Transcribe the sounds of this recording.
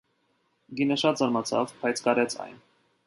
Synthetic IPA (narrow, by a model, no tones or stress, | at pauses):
ɡinəʃɑt̪zɑɾmɑt͡sʰɑ̰vbʰɑjt͡sʰkɑɾɛt͡sʰɑ̰jn